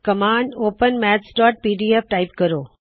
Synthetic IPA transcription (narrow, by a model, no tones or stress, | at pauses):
kɐmãːɳɖoːpənmɛːt͡ɕɖɔːʈ̚piːɖiːep̚ʈaːɪpkɐɾoː